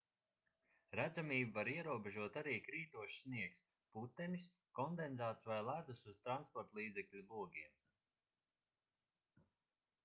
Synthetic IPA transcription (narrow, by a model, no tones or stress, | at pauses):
ɾæd̪zamiːbavaɾiɛɾuɔbeʒuɔt̪aɾiːkɾiːt̪uɔʃsniɛks | put̪ːɛmʲis | kɔnd̪enzaːt̪svajlˠæd̪usuz̥t̪ɾanspɔɾt̪lˠiːd̪zɛklʲubuɔɡʲiɛm